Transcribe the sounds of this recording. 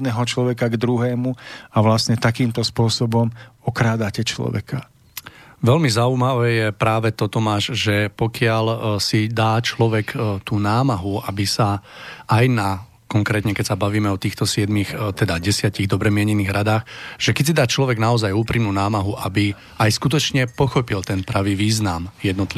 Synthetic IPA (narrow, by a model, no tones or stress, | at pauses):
d̪nɛːɦɔt͡ʃlɔʋɛkaɡd̪ɾuɦɛːmuaʋlasɲɛt̪akiːmt̪ɔspʊɔsɔbɔmɔkɾaːd̪acɛt͡ʃlɔ̰ʋɛ̰ka | ʋɛlmizauːmaʋɛːjɛpɾaːʋɛt̪ɔt̪ɔmaːʒʒɛpɔkɪalsid̪aːt͡ʃlɔʋɛkt̪uːnaːmaɦuabisaʔajna | kɔŋkɾɛːt̪ɲɛkɛcsabaʋiːmɛɔt̪iːxt̪ɔsɪɛd̪mixt̪ɛd̪aɟɛsɪaciɣd̪ɔbɾɛmɪɛɲɛniːɣɾad̪aːxʒ̥ɛkɛcs̬id̪aːt͡ʃlɔʋɛɡnaɔzajuːpɾimnuːnaːmaɦuʔabi | ajskut̪̬ɔt͡ʃɲɛpɔxɔpilt̪ɛnpɾaʋiːʋiːznamjɛd̪nɔt̪li